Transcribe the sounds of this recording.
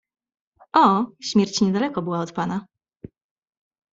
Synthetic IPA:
ʔɔɕmʲjɛɾt͡ɕɲɛd̪alɛkɔbɘwaɔt̪pana

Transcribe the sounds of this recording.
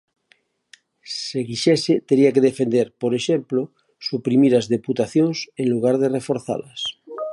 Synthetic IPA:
seɣiʃeset̪eɾiakeðefe̞nd̪eɾpoɾeʃemplo | supɾimiɾazðe̞put̪aθjonsenluɣ̞aɾð̞erefo̞ɾθa̰las

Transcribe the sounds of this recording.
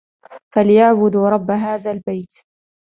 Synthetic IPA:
falɪjaʕbʊd̪ɾˤɑbːaɦaːðaːlbajt̪

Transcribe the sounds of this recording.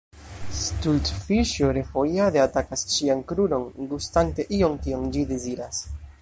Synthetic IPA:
sstultfiʃoɾe̞fojade̞atakasʃiankɾuno̞nɡustante̞ʔio̞ŋkiond͡ʒide̞ziɾas

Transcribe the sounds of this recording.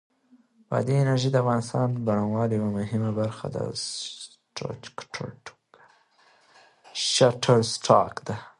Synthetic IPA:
bɑ̰d̪iɪnaɾʒid̪əafɣɑnɪst̪ɑnbaɽanwɑljwamʊɦɪmabaɾxa̰d̪a̰s | ʈa̰kʈʰʈ | ʃaʈʰaɾsʈʰɑ̰kd̪a

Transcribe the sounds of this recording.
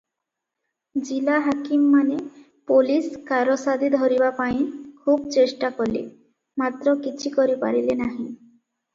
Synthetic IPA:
d͡ʑilaɦakimːane | poliskaɾosad̪id̪ʱɔɾibapaj̃kʰubt͡ɕesʈakolḭ | mat̪ɾɔkit͡ɕʰikɔɾipa̰ɾilenaɦĩ

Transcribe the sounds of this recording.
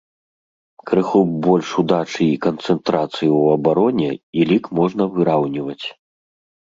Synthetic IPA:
kɾɨxubɔlʲʂud̪at͡ʂɨikɐnt̪sɛnt̪ɾat̪sɨjiwɐbaɾɔnʲɛilʲikmɔʐnɐvɨɾawnʲivɐt͡sʲ

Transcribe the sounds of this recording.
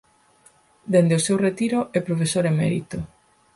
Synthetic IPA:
d̪end̪eʊsewret̪iɾʊʔepɾofesoɾemɛɾḭt̪ʊ

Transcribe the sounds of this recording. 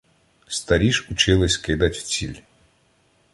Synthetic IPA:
st̪ɐɾʲiʃut͡ʃɪlˠɪsʲkɪd̪ɐtʲw̥t͡sʲilʲ

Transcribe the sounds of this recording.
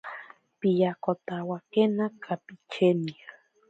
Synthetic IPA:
pijakot̪awakenakʰapit͡ʃenia

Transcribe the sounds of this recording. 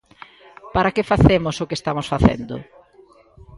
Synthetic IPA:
paɾakefaθemʊsʊkest̪amʊsfaθḛnd̪ʊ̰

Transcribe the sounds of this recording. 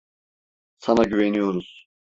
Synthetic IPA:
sanaɟyvenijo̞ɾuz̥

